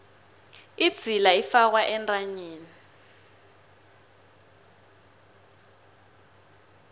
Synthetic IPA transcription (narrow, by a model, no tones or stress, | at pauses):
id̥z̥ʱilaifak̬waʔɛntʼaɲiːni